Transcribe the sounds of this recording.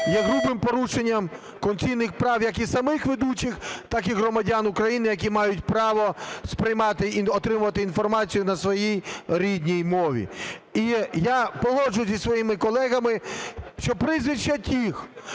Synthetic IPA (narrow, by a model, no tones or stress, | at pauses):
jɛɣɾubɪmpɔɾuʃenʲːɐm | kɔnt͡sʲijnɪxpɾɑwjɐkisɐmɪxʋed̪ut͡ʃɪxt̪ɑkiɣɾɔmɐdʲanʊkɾɐjinɪjɐkʲimɑjʊtʲpɾɑʋɔspɾɪjmɑt̪ɪiɔt̪ɾɪmʊʋɐt̪ɪinfɔrmɑt͡sʲijʊnɐsʋɔjijɾʲid̪ʲnʲijmɔʋʲḭijapɔɦɔd͡ʒʊjʊzʲisʋɔjimɪkɔlˠɛɣɐmɪʃt͡ʃɔpɾɪzʋɪʃt͡ʃːɐtʲix